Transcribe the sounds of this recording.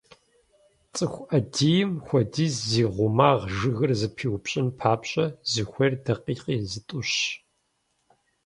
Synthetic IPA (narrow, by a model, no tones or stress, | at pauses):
t͡sʼɨxʷʔɐdiːjɪmxʷɔdiːzziːʁʷʊmaːʁʒɨɣɨrzɨpʰiːwpɕʼɪnpʰaːpɕʼɐzɨxʷɔrdɐqiːqiːzɨtʼʊɕ